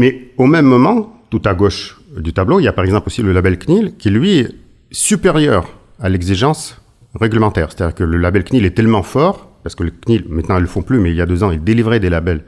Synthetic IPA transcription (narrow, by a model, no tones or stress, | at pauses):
mɛomɛmːɔmɑ̃t̪ut̪aɡoʃd̪yt̪abloiljapaʁɛɡzɑ̃plosiləlabɛlknilkʲilɥiɛ | sypeʁjœ̰ʁ | alɛɡziʒɑ̃s | ʁeɡləmɑ̃t̪ɛːʁse̥t̪ad̪ʲiːʁkələlabɛlknilɛt̪ɛlmɑ̃fɔʁpaʁsə̥kələknilmɛ̃t̪nɑ̃ilːəfɔ̃plymɛiljad̪øzɑ̃ild̪elivʁɛd̪elabɛl